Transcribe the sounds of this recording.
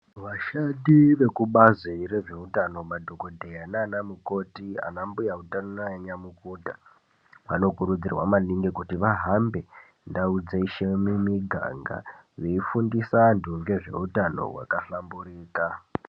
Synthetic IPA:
ʋaʃaɗiʋe̞kuɓazire̞ʐe̞utano̞madʱoko̞dʱejanaːnamuko̞tia̰nambujautananaeɲamukudʱa | ʋa̰no̞kuɾud͡zirwa̰maniŋɡikutiʋaɦambe̞ | ndaud͡zeiʃemimiɡʱa̰ŋɡa̰ʋeifundisanduŋɡe̞ʐe̞̰utano̞̰wa̰kaɬambuɾiːka

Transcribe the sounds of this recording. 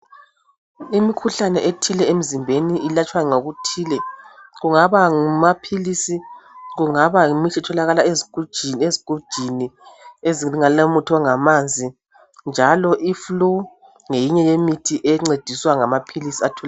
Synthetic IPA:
imikʰuɬanɛʔetʰilɛem̩zimbʱeniilat͡ʃʰʼwaɛŋoɣutʰiːlɛɣuŋaβaŋumapʰilisiɣuŋaβaumit͡ʃʰɛtʰɔlaɣalaeziɡ̥ʱud̥ʒ̥ʱineziɡ̥ʱud̥ʒ̥ʱinieziŋalomutʰɔŋamand͡zʱi | nd͡ʒʱalɔʔiflu | ŋejiɲɛjemitʰiʔɛŋ͡ǀed̥ʱiswaŋamapʰilisiatʰɔla

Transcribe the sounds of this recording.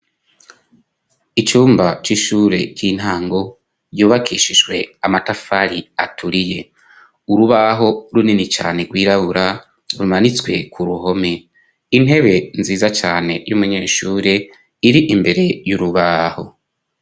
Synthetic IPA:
it͡ʃuːmbat͡ʃiʃuːɾe̞kiːn̥haːŋɡo̞ | juːβakʰiːʃiʒɡwe̞amatafaɾiatʰuɾije̞ | uɾuβaɦo̞ɾuninit͡ʃa̰ːne̞ɡwiːɾaβuɾa | ɾumanit͡swe̞kʰuɾuɦo̞me̞ | in̥ɦe̞βe̞nziːzat͡ʃaːne̞jumuɲe̞ːʃuːɾe̞ | iɾiʔimbe̞ɾe̞juɾuβaːho̞̰

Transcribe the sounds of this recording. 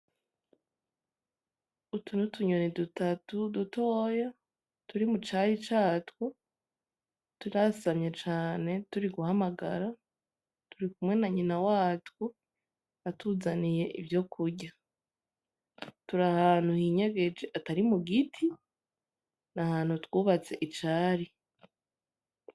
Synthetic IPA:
utʰunutʰuɲo̞nidutatudutʰoːja | tuɾimut͡ʃaɾit͡ʃaːtwo | tuiɾasamɲe̞t͡ʃaːne̞tuɾiɡuhamaɡa̰ɾa | tuɾikumŋe̞naɲinawaːtwo | atuːzanije̞ʔḭvjo̞kʰuɾɟa | tuɾahaːn̥huhiːɲe̞ɡe̞d͡ʒeʔataɾimuɡitʰi | nahaːn̥hutwuːβat͡se̞ʔit͡ʃaːɾi

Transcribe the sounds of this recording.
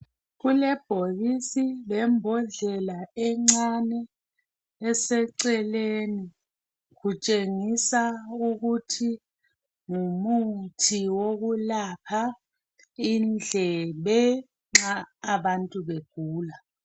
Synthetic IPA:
ɣulɛb̥ʱoɣisiβɛmbʱɔɮɛlaɛŋ͡ǀanɛː | sɛǀɛleni | ɣut͡ʃʼeŋisauɣutʰi | ŋumutʰiwoɣulapʰa | ind͡ɮʱɛβɛ | ŋ͡ǁaːβantʼuβeɡ̥ʱuːla

